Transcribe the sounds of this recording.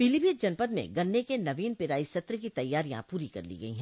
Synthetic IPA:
pilibid͡ʒɐnpəd̪mḛ̃ɡɐ̃nːekenɐʋiːnpɪɾaːisɐt̪ɾəkit̪ɐjːaːɾijã̰puːɾikɐ̰ɾlḭɡɐḭɦɛ̃ː

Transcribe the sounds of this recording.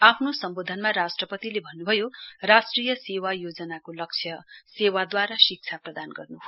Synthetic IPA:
apʰnosʌmbod̪ʱʌnmaɾasʈrʌpʌt̪ilebʱʌnːubʱʌjorasʈrijʌsewajod͡zʌnakolʌk̚t͡sʰjʌsewad̪waɾasik̚t͡sʰaprʌd̪anɡʌrnu

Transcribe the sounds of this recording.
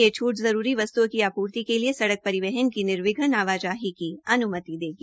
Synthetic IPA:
et͡ʃʰuːʈzɐɾuːɾiʋɐst̪ukiaːpuːɾt̪ikeliesɐɽək̚pɐɾɪʋɛɦənkinɪɾʋɪɡʱənaːʋaːd͡ʒaːɦikiɐnʊmət̪id̪eːɡiː

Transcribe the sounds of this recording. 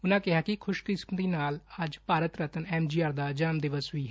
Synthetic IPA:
ʊnãːkɪɦaːkɪkʰʊʃkɾɪspd̪iːnaːləd͡ʒpaːɾət̪ɾət̪ənɛːmd͡ʒiːaːɾd̪aːd͡ʒaːmd̪ɪʋəsʋiːɦɛ

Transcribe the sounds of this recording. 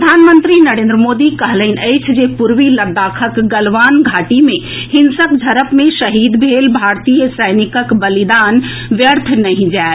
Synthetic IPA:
ɾd̪ʱanmənt̪ɾinəɾeːnd̪ɾəmod̪ikəɦləɦnəɪt͡ʃʰd͡ʒepuɾʋiləd̪akʰəkɡəlʋanɡʱaʈime | hinsəkd͡ʒʱəɾəpmẽsəɦid̪bʱelbʱaɾt̪ijəsəɪnikəkbəlid̪an | ʋjəɾt̪ʰnəɦĩd͡ʒae

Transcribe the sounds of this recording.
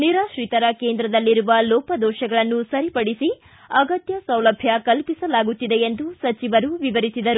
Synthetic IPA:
niɾaːʃɾit̪ɐɾɐke̞ːnd̪ɾɐd̪ɐlːiɾuʋɐlɔːpɐd̪ɔːʃɐɡɐɭɐnːusɐɾipɐɽisi | ɐɡɐt̪jɐsɐwlɐbʱjɐkɐlpisɐlaːɡut̪ːid̪e̞end̪usɐt͡ʃiʋɐɾuʋiʋɐɾisid̪ɐɾu

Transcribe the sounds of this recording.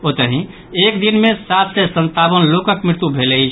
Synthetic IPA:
ot̪əɦĩ | ekd̪inmesat̪ʰsesə̃nt̪abənlokəkmɾɪɾt̪ubʱelɛt͡ʃʰ

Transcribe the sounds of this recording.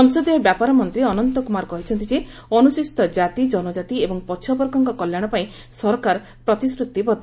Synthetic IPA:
sɔŋsod̪ijɔbjapaɾɔmɔnt̪ɾiɔnɔnt̪ɔkumaɾkɔɦit͡ʃʰɔnt̪id͡ʒe | ɔnusist̪ɔd͡ʒat̪id͡ʒɔnɔd͡ʒat̪iebɔŋpɔt͡ʃʰiɔbɔɾkɔŋkɔkɔljaɽ̃ɔpaĩ | sɔɾɔkaɾ | pɾɔt̪iskɾut̪ːibɔd̪ʱ

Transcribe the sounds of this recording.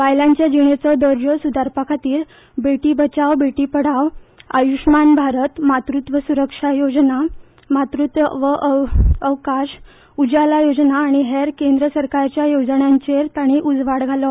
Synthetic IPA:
ʋajlãɲt͡ɕjad͡ʑiɳ̃et͡sɔd̪əɾd͡ʑəsud̪aɾpakʰat̪iːɾ | beʈiːbət͡ɕaʋbeʈiːpəɽ̤aʋa̰juʂmanbʱaɾət̪mat̪ɾut̪ʋəsuɾəkʂajod͡zna | mat̪ɾut̪ʋəʋəʔəʋkaɕ | ud͡ʑalajod͡znaːɽ̃iɦeɾkend̪ɾəsəɾkaɾt͡ɕjajod͡zɳjãɲt͡ɕeɾt̪aɽ̃iʔud͡zʋaɽɡʱalɔ

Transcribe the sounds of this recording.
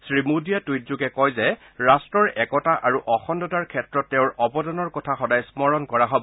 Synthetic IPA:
sɹimudijatujtzuɡɛkɔjzɛ | ɹastɹɔɹɛkɔtaʔaɹuʔɔxɔndɔtaɹkʰɛtɹɔtːɛʊ̃ɹɔbɔdɔnɔɹkɔtʰaxɔdajsmɔɹɔnkɔɹaɦɔbɔ

